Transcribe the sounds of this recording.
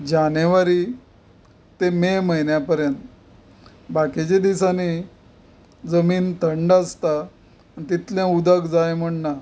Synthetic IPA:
d͡ʑaneʋaɾi | t̪ememəjnjapəɾjənt̪ | baket͡ɕed̪isani | d͡zəmiːnt̪əɳɖəst̪aː | nit̪it̪ljɛ̃ud̪əkd͡zajm̤əɳna

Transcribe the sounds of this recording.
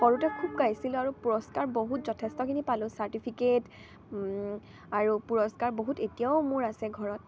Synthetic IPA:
xɔɹutɛkʰub̚kajsilʊaɹupuɹɔskaɹboɦutzɔtʰɛstɔkʰinipalʊ̃saɹtipʰiket | aɹupuɹɔskaɹboɦutetijaʊmʊɹasɛɡʱɔɹɔt̚

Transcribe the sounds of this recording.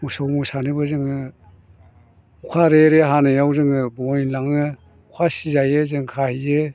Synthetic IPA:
musawmusanɯbɯzɯŋɯ | ukʰaɾeɾeɦanɯjawzɯŋɯbɔjnlaŋɯ | ukʰasizajɯzɯŋkʰahijɯ

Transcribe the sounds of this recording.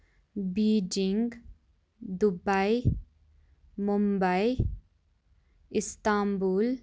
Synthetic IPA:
biːd͡ʒɪŋɡ | d̪ʊbai | mumbai | ɪst̪aːmbuːl

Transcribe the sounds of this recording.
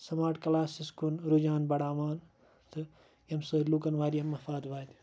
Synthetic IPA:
sɐmaːʈkɐlaːsiskunɾud͡ʒaːnbɐɽaːʋaːn | t̪ʰɨ | jɐmsɨːɾlukɐnʋaːɾjɐmːɐfaːd̪ʋaːd̪ʲ

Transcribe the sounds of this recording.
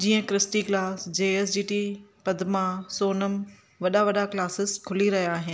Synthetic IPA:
d͡ʑiːə̃kɾɪsʈiklaːsd͡ʑeːes̬d͡ʑiːʈipɐd̪ʱmasoːnəm | ʋɐɗaʋɐɗaklaːsɪskʰʊliɾɐɦijaːɦɪnɪ

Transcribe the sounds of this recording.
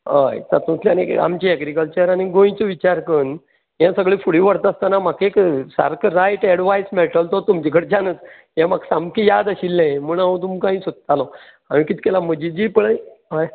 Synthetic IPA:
ə̰jsat̪ũt͡sljanḭa̰mt͡ɕiɛɡɾikəlt͡ɕəɾañiɡõjĩt͡ɕɔʋit͡ɕaɾkən | jãsəɡɭefuɽiʋəɽt̪ast̪anamakeksa̰ɾkɾajʈɛɽʋajsmeʈəlt̪ɔt̪umt͡ɕikʰəɽd͡ʑanət͡s | jãmaksamkijad̪əɕilːẽməɳaõt̪̬umkãɦĩsut̪̚t̪alo | amĩkit̪i̥kelam̤əd͡ʑid͡ʑiːpəɽəjɦaj

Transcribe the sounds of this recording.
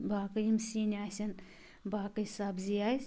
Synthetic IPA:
bakɐjimsinʲaːsʲɐn | baːkɐsabzijajz

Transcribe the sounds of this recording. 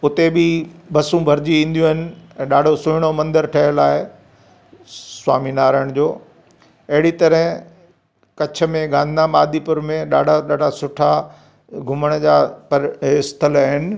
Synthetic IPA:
ʊt̪ebibɐsũbʱɐɾd͡ʑiĩːn̆d̪ijũɦɪnɪ̆ɛ̃ːɗaːɖʱosʊɪɽ̃omɐ̃nd̪əɾʈʰɐɦəlaːɦe | swaːminaːɾəɽ̃d͡ʑoː | ɐɦɪɽit̪ɐɾəɪ̃ | kɐt͡ɕʰə̆mẽɡãːnnamaːd̪ipʊɾmẽɗaːɖʱaɗaːɖʱasʊʈʰa | ɡʱʊməɽ̃d͡ʑaːpɐɾɪst̪ʰəlɦɪnɪ̆

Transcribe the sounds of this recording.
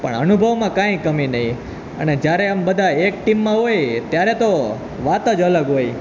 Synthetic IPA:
pə̰ɳə̰nubʱəʋmãkãĩkəminəɦĩ | ə̰ned͡ʒjaɾeəmbəd̪ʱaek̚ʈimːãɦojt̪jaɾet̪o | ʋat̪əd͡ʒələɡɦoj

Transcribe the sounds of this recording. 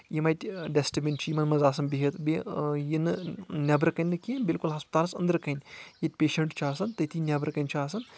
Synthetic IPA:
jimɐjʈʲɖesʈibʲint͡ʃʰjimɐnmɐzaːs̬ɐnbiɦet̪bejinɨnʲɐbɾɨkɐnʲːɨkinbilkulɦɐspɐt̪aːlsɐ̰nd̪əɾkɐjnʲjitʲpeːʃɐɳʈt͡ʃʰaːsɐnt̪ɐjt̪ʰiːnʲɐbɾɨkɐjnʲt͡ʃʰaːsɐn

